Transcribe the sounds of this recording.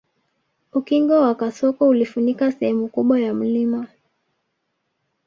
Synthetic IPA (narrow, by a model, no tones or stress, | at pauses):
ukiŋɡɔwakasɔkɔulifunikasɛhɛmukuɓwajam̩lima